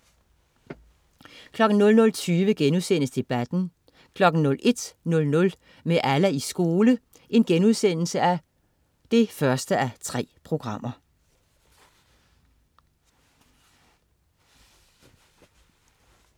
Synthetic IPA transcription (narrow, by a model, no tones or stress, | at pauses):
kʰlɒ̽ɡ̥n̩nɔ̽lnɔ̽lt͡sʰyːʋəɡ̥enuðˠsen̰əsd̥e̝b̥æd̥n̩ | kʰlɒ̽ɡ̥n̩nɔ̽lʔe̝d̥nɔ̽lnɔ̽l | meʔælæisɡ̥o̝ːlə | ʔe̝nɡ̥enuð̞ˠsen̰l̩səæ | d̥e̝fɶɐsd̥əʔæt͡sʰʁɛ̰ːpʰʁo̝ɡ̥ʁɑ̈m̰ʔɐ